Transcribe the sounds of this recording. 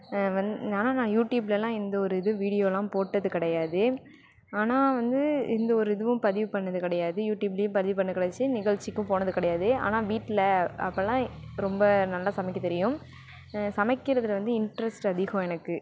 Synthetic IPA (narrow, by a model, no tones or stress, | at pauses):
ʋɐnaːnaːnãːjuːʈjuːblɛlãːɪnd̪ɐɔɾɯɪðɯʋiːɽɪjoːlãːpoːʈːɐðɯkɪɽɐjaːðɯ | aːnaːʋɐnd̪ɯɪ̰nd̪ɐɔɾɯɪðɯʋɯ̃pɐðɪʋɯpɐɳːɐðɯkɪɽɐjaːðɯjuːʈjuːblɐjɯ̃mpɐðɪʋɯpɐɳːɯðɯkːɪɽɛt͡ʃːɯnɪɣɐɭt͡ʃːɪkːɯ̃poːnɐðɯkɪɽɐjaːðɯa̰ːnaːʋiːʈːɪlɐɐpːɐlːãːɾɔmbɐnɐlːaːsɐmɪkːɐt̪ɛɾɪjʊ̃m | sɐmɐkːɪɾɐðɯlʋɐnd̪ɯɪɳʈɾɛsʈɐðɪɣɔ̃ɛnɐkːɯ